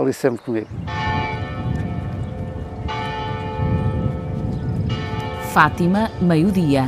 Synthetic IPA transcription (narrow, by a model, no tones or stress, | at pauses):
lˠisẽmpɾkumiɣ | fat̪imɐmɐjuðiɐ